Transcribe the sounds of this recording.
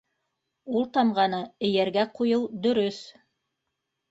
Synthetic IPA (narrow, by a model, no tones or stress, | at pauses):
ulˠt̪ɑmʁɑnɤɘ̆jæɾɡæqujɤwd̪ɵ̆ɾɵθ